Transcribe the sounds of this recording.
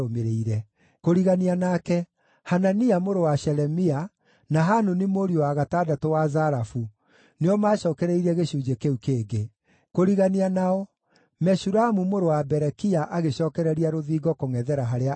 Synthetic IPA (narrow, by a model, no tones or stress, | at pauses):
omeɾeiɾɛ | koɾiɣanianakɛ | hananiamoɾowaɕɛɾɛmia | naɦanonimoɾiowaɣatadatowazaɾafu | neɔmaːɕɔːkɛɾɛiɾɛɣeɕuːd͡ʒekeukeːɡe | koɾiɣanianaɔ | mɛsuɾamumoɾowabɛɾɛkiaʔaɣeɕɔːkɛɾɛɾiaɾoðiːɡɔkoŋɛðɛɾaɦaɾea